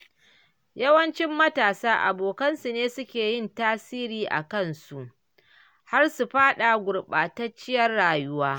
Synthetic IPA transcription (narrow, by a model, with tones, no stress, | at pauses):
jɐ˦wɐ˦nt͡ʃɪ˦mːɐ˦taː˨saː˦ʔa̰˨boː˨kɐ˦nsu˨neː˦sʊ˦kʲeː˨jɪ˦ntaː˦siː˦ɾiː˨ʔa̰˨kɐ˦˨nsu˨ʔ | ha˦rsu˨ɸaː˦ɗa˨ɡʷʊ˨ɽɓaː˨tɐ˦t͡ʃːɪ˦jɐ˦rːaː˨jʊ˦waː˦